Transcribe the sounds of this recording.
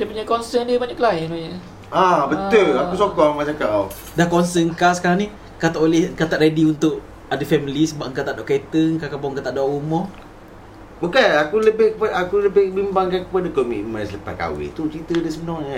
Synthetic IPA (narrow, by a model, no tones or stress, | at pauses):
diəpuɲakɔnsədiəbaɲaʔklaɪnmaɲə | abət̪ulausokɔmat͡ʃaŋkaʔaw | dahkɔnsəŋkasəkaɾaŋni | kat̪aʔolɛhkat̪aʔɾadiunt̪ʊʔ | adafɛmilisəbap̚ŋkat̪aʔdɔʔkɛt̪əkakabɔəŋkat̪aʔdɔʔumɔ | bukanakuləbɪhkəpaakuləbɪhbimbaŋkankəpadakɔmḭʔmə̃nsələpa̰hka̰wɪ̰t̪ut͡ʃɾit̪ədəsəbənɔŋɲa